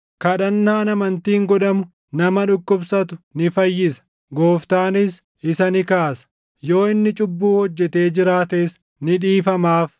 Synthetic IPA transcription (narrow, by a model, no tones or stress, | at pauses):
kɐᶑɐnːaːnɐmɐnt̪iːŋɡɔᶑɐmʊ | nɐmɐᶑʊkːʊbsɐt̪ʊnɪfɐjːɪsɐ̥ | ɡo̞ːft̪aːnɪs | ɪsɐnɪkaːsɐ̥ | jo̞ːɪnːɪt͡ʃʼʊbːuːhɔd͡ʒːɛt̪e̞ːd͡ʒɪɾaːt̪eːs | nɪᶑiːfɐmaːf